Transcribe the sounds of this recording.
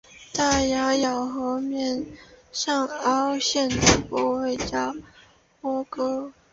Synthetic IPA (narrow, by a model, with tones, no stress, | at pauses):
t̪a˥˩ja˧˥jɑ˨˩ʊxɤ˧˥mjɛ˥˩nʂɑ˥˩ŋɑ˥ʊɕjɛ˥˩nd̪ə˩pwɔ˧˥we˥˩ɪt͡ɕja˥ | mɔ˥kɤ˥